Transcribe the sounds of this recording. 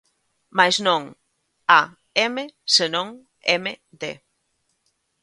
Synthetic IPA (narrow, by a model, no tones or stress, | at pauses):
majznõŋ | a | emesenõŋ | eme | ðe